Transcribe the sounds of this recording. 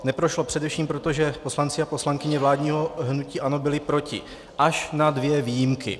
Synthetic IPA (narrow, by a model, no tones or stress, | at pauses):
nɛpɾo̞ʃlo̞pr̝̥ɛdɛfʃiːmpɾo̞t̪o̞ʒɛpo̞slant͡sɪapo̞slaŋkɪɲɛvlaːdɲiːɦo̞ɦnuciːʔanobɪlɪpɾo̞cɪ̰ | ʔaʃnadvjɛviːjɪmkɪ̰